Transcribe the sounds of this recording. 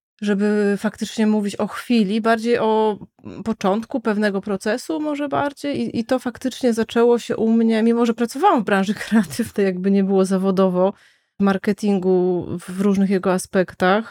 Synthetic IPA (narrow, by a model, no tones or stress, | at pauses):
ʐɛbɘfakt̪ɘt͡ʂɲɛmuvʲit͡ɕɔxfʲilʲibaɾd͡ʑejʔɔ | pɔt͡ʂɔnt̪kupɛvn̪ɛɡɔpɾɔt̪sɛsumɔʐɛba̰ɾd͡ʑejiʔit̪ɔfakt̪ɘt͡ʂɲɛzat͡ʂɛwɔɕɛ̰ʔumɲɛmʲimɔʐɛpɾat̪sɔvawɛmvbɾãwʐɘkɾɛat̪ʰɘvnɛjaɡ̚bɘɲɛbɘwɔzavɔd̪ɔvɔ | maɾkɛt̪ʲiŋɡuvɾuʐnɘxjɛɡɔaspɛkt̪ax